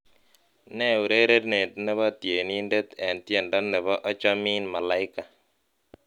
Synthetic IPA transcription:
nɛ˦u˨ɾe˦ɾe˦tne˨tnɛ˦βɔ˦tje˨ni˦nde˦t̪ɛ˨ntje˨ndɔ˦nɛ˨βɔ˦ʔɔ˦t͡ʃɔ˦mi˦nma˨la˨ɪ˦ka˨

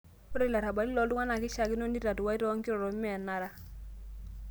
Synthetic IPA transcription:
pɔ˦ɾe˦la˨ɾa˨ba˨li˦lɔ˨ldu˦ŋa˦na˨kɪ˦ʃa˨ki˦no˦ndi˦ɾa˨tu˨wa˦i˦tɔ˦ŋki˦ɾɔ˨ɾɔ˨mi˦a˨na˦ɾa˦

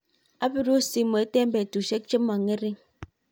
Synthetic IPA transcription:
a˦pi˦ɾu˦si˦mə˨˦te˦m̩˦bɛ˨tu˨ʃe˦k̚t͡ʃə˦ma˨ŋe˦ɾi˦

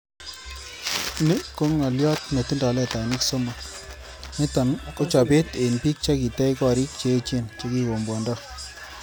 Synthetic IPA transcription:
nɪ˦ko˦ŋwa˨ljɔ˦tme˨ti˦ndɔ˨lɛ˦ta˨nɪ˦kso˦ma˨ | nɪ˦tɔ˨nko˦t͡ʃɔ˨pe˦te˨npiː˦k̚t͡ʃa˦ki˨tɛ˦ikɔ˨ɾi˦k̚t͡ʃeː˦t͡ʃe˦nt͡ʃe˦ki˦ko˨mbwɔ˨ndɔ˦

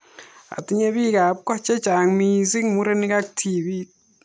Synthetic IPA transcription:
a̰˨ti˦ɲe˦βi˦ɣa˨pka˦t͡ʃe˦t͡ʃa˨ŋmiː˨zi˦ŋmu˦ɾe˦ni˦ɣa˦k̚tʰiβi˦t

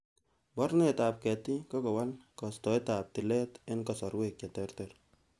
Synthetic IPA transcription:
bɔ˦ɾne˦ta˨p̚kɛ˨ti˦kɔ˦kɔ˨wa˦lkɔ˨stɔ˨e˦ta˨p̚tɪ˨lɛ˦tɪ˦nkɔ˨sɔ˨ɾwek̚t͡ʃa˨tɛ˦rtɛɾ

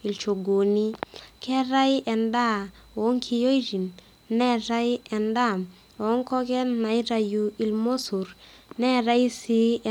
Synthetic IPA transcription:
i˨lt͡ʃo˨ɡo˨ni˦kɛ˦ɾa˦jʔɛ˨nda˦˨ | o˨˦ŋkʰi˧jo˦i˦ɾi˨n | nɛ˦ɾa˦jɛ˨nda˦˨m | o˨˦ŋkɔ˦kɛ˦nna˨jɾa˨ju˨i˨lmo˦su˨ɾ | nɛ˦ɾa˦i˦si˦ɛ˨

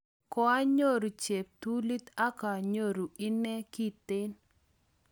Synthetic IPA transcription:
kɔ˦a˦ɲo˦ɾu˨t͡ʃe˨p̚t̪u˦li˦t̪a˦ka˨ɲo˦ɾu˨ɪ˦nɛ˦ki˦t̪ɪ˦n

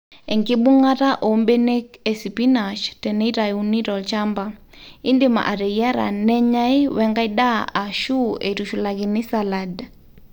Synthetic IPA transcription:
ɛ˨ŋkɪ˦ɓu˦ŋa˦ta˦ʔo˨mbɛ˦nɛ˦kɛ˨si˨pi˦na˨ʃtɛ˨nɛ˦i˦ɾa˨juni˦ɾɔ˨lt͡ʃa˦mba˨ | i˦ndɪ˨ma̰˨ʔa˨ɾɛ˨ja˦ɾa̰˨nɛ˦ɲa˦i˦wɛ˦ŋɡa˦i˦ɗa˦a˨ʃu˦ʔɛ˨tu˨ʃu˨la˨ɣi˨nɪ˦sa˨lad

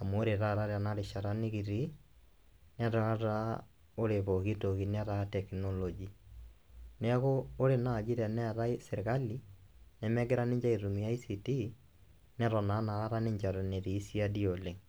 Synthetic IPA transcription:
a˨mo˦ɾe˨ɾa˦ɾa˦ɾja˨na˦ɾe˨ʃa˨ɾa˦ni˦ɣi˨ɾi˦ | nɛ˦ɾa˦a˦ɾa˦ | o˦ɾe˨βo˨ɣi˦to˨ɣi˨n˦a˦ɾatɛ˨knɔlɔ˨d͡ʒi˨ | nɛ˦ɣoː˦ɾe˨na˨d͡ʒi˦ɾɛ˨nɛ˦ɾa˦ise˨ɾɣa˦li˦ | nɛ˨mɛ˦ɡe˦ɾa˦ne˦ɲd͡ʒa˦i˨ɾu˨mi˨ja˦i˦si˨ti˦ | nɛ˦ɾɔ˨na˨˦na˨ɣa˦ɾa˦ne˦ɲd͡ʒa˨ɾne˨ɾiː˨˦si˦a˦di˦o˨le˨

